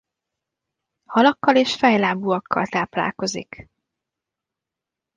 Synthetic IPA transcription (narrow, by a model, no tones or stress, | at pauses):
hɒlɒkːɒleːʃfɛjlaːbuːɒkːɒ̰lt̪aːpla̰ːlko̞zḭk